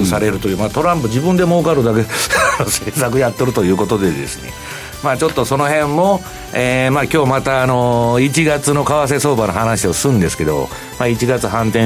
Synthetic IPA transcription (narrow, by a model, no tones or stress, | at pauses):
saɾe̞ɾɯ̟t̪o̞jɯ̟ːmat̪o̞ɾãmpɯ̟d͡ʑibɯ̃nd̪e̞moːkaɾɯ̟d̪akenoseːsak̬ɯ̟jat̪ːeɾɯ̟t̪o̞jɯ̟ːko̞t̪o̞d̪e̞d̪e̞̰sɨɲ̟ʲḭ | maːt͡ɕo̞t̪ːo̞so̞no̞ɦẽ̞mːo̞ | eːmakʲo̞ːmat̪aːno̞it͡ɕiɡat͡sɨno̞kaβas̬e̞so̞ːbanoɦanaɕio̞sɨ̃nd̪e̞sɨ̥ke̞d̪o̞̰ | mait͡ɕiɡat͡sɨɦãnt̪ẽ